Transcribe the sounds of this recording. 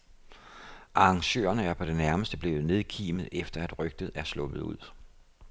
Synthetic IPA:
ʔɑ̈ŋɕø̰ːɐnəæɐpʰɒ̽d̥e̝næɐməsd̥əb̥le̝ːʊð̩ˠne̝ð̞ˠkʰḭːmð̩ˠefd̥ɐæd̥ʁœɡ̥̚d̥ð̞̩ˠæɐslɔ̽b̥ð̩ˠṵð̰ˠ

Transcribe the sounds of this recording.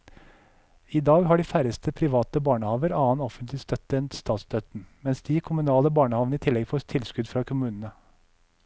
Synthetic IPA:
iːd̪ɑːɡhɑːɖiːfæɾəst̪ʰəpʰɾɪʋɑːt̪əbɑːɳəhɑːʋəɾɑːənɔfənt̪lɪst̪œt̪ɛnt̪st̪ʰɑːt̪sd̪œt̪n̩mɛnsd̪̥iːkʰʊmʉnɑːləbɑːɳəhɑːʋnəiːt̪ʰɪlɛɡfɔt̪ʰɪlskʉd̪fɾɑːkʰʊmʉːnən̩ə

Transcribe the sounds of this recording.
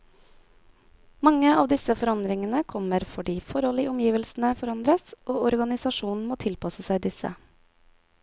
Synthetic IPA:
mɑŋəɑːʋd̪ɪsəfɔɾɑnd̪ɾɪŋənəkʰɔməɾfɔɖiːfɔɾɔlɪʔɔmjiːʋəlsn̩əfɔɾɑnd̪ɾəsʔoːɔɾɡɑnɪsɑʃuːnn̩moːt̪ʰɪlpɑsəsæɪd̪ɪsə̰

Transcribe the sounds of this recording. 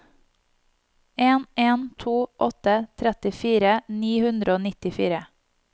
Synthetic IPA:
eːneːnt̪ʰuːʔɔt̪ət̪ʰɾɛt̪ɪfiːɾəniːhʉnd̪ɾəoːnɪt̪ɪfḭːɾə

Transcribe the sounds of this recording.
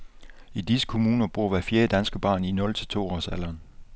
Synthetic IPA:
id̥isə̥kʰo̝muːnɐb̥ʁuɐ̰ʋæfjeːɐd̥ænsɡ̥əb̥ɑ̰̈ːninɔ̽lt͡sʰe̝lt͡sʰo̝̰ːɒ̰sælɐn

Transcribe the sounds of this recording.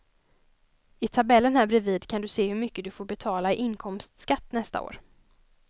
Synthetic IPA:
ɪt̪ʰabɛlːənhæːɾbɾɪviːd̪kʰand̪ɵseːhɵmʏkːəd̪ɵfoːɾbɛt̪ʰɑːlaɪʔɪnkʰɔmst̪skat̪ːnɛst̪a̰o̰ːɾ

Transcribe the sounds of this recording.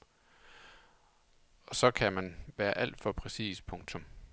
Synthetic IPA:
ɒ̽sɒ̽kʰæmænʋæːɐʔæl̰d̥fɒ̽pʰʁɛsḭːspʰɔ̽ŋt͡sʰɔ̽m

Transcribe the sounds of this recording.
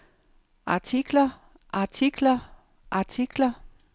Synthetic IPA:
ʔɑ̈t͡sʰiɡ̥lɐ | ʔɑ̈t͡sʰiɡ̥lɐ | ʔɑ̈t͡sʰiɡ̥lɐ

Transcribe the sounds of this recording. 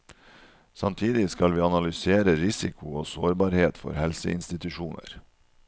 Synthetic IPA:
sɑmt̪ʰiːd̪ɪskɑlʋiːɑnɑlʏseːɾəɾɪsɪkʰʊoːsoːɾbɑːɾheːt̪fɔ̰ɾhɛlsə̰ʔɪ̰nst̪ɪt̪ʉʃuːnə̰ɾ

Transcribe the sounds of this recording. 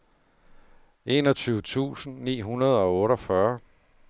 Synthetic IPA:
e̝ːnɒ̽t͡sʰyːʊət͡sʰṵːsn̩nḭːɦunɐð̞ˠɒ̽ɔ̽ːɾɒ̽fɶɐ

